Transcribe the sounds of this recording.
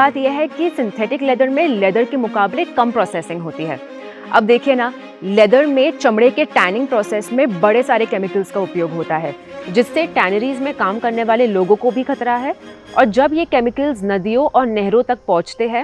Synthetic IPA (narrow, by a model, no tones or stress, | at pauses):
aːt̪jeɦɛkisɪ̃nt̪ʰɛːʈɪklɛːd̪əɾmẽlɛːd̪əɾkemʊkaːblekɐmpɾɔːsɛːsɪ̃ŋɡɦoːt̪iɦɛ̰ː | ɐ̰b̚d̪eːkʰiena | lɛːd̪əɾmẽt͡ʃɐmɽekeʈɛːnɪ̃ŋɡ̚pɾɔːseːsmẽbɐɽesaːɾekɛːmɪkəlzkaʊpjoːɡɦoːt̪aɦɛː | d͡ʒɪsːeʈɛːnəɾiːzmẽkaːmkɐɾneʋaːleloːɡõkobʱixɐt̪ɾaɦɛː | ɔ̰ːɾd͡ʒɐbjekɛːmɪkəlznɐd̪ijõʔɔːɾnɛɦɾõt̪ɐk̚pɔ̃ɦʊt͡ʃt̪eɦɛ̃ː